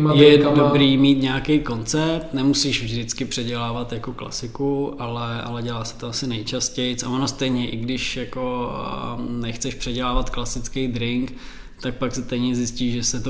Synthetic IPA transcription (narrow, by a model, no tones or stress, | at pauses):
jɛdobɾiːmiːt̪ɲɛakejko̞nt͡sɛɾt̪nɛmusiːʃvʒdɪt͡skɪpr̝̥ɛɟɛlaːvat̪jako̞kla̰sɪkuʔalɛʔa̰lɛɟɛlaːsɛ̥t̪oasɪnɛjt͡ʃascɛjt͡savonast̪ɛjɲɛʔɪɡdɪʃjako̞ | nɛxt͡sɛʃpr̥ɛɟɛlaːvat̪klasɪt͡skɛjd̪ɾɪŋk | t̪ak̚paksɪst̪ɛjɲɛzjɪsciːʃʒɛsɛt̪o